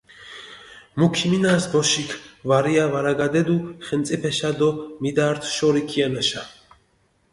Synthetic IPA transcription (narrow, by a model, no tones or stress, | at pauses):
mukʰiminasbɔʃikʰvaɾiavaɾaɡad̪ɛd̪uχɛmt̪sʼipʰɛʃad̪ɔmid̪aːɾt̪ʰʃɔɾikʰianɛʃa